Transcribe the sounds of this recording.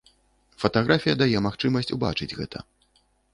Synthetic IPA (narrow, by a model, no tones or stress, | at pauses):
fɐt̪aɣɾafʲijɐd̪ajɛmaxt͡ʂɨmɐsʲt͡sʲuba̰t͡ʂɨd͡zʲɣɛ̰t̪ʰɐ̰